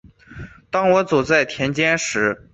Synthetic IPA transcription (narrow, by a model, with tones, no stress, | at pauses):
t̪ɑ˥ŋwɔ˧˥t͡su˨˩t͡sa˥˩ɪt̪ʰjɛ˧˥nt͡ɕjɛ˥nʂɻ̩˧˥